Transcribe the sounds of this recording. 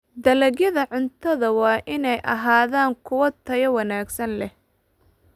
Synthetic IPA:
d̪ɐlɐɣjɐðɐʕʊnt̪ʰɐðɐwɑːʔɪnɛjʔɐ̰ɦaːðaːŋkʰʊwɐt̪ʰɐjɐwɑnaːɡsɐnlɛh

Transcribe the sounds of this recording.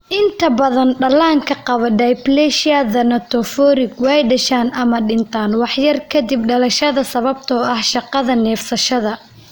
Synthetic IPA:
ʔɪnt̪ʰɐbɐðɐnɖɐlaːŋkʰɐqɑβɔɖɐjblɛʃaðɐnɐt̪ʰɔfɔːɾɪɡwɛjɖɐʃaːnʔɐmɐɖɪnt̪ʰaːnwɑħjɐrkʰɐd̪ɪb̚ɖɐlɐʃɐðɐsɐβɐbt̪ʰɔːɐhʃɑqɑðɐnɛːfsɐʃɐðɐ

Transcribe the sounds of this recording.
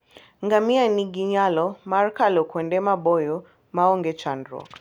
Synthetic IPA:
ŋɡamianiɡiɲalɔmaɾkalɔkwɛndɛmaɓɔjɔ | maɔŋɡɛt͡ʃandɾɔ̰k

